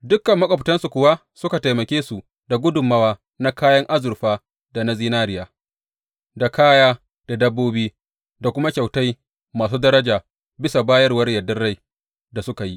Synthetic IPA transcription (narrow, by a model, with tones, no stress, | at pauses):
dʊ˦kːɐ˨mːɐ˦kʷʼɐ˨btɐ˦nsu˨kʷʊ˨wa˦ | sʊ˦ka˨ta˨jmɐ˨kʲeː˦su˨ | da˨ɡʷʊ˦dʊ˨mːɐ˦waː˦ | na˦kaː˦jɐ˦ŋʔa˦zʊ˨ɸaː˦ | da˨na˦ziː˦naː˦ɾɪ˨jaː˨ | da˨kaː˦jaː˦ | d̥a˨dɐ˦bːoː˦biː˦ | da˨kʷʊ˦ma˦kʲa˨wta˦j | maː˨s̬uː˦dɐ˦ɾɐ˦d͡ʒaː˨ | bɪ˦sa˨baː˦jɐ˦rwɐ˦ɽjɐ˨dɐ˦rɽa˦j | da˨sʊ˦ka˨ji˦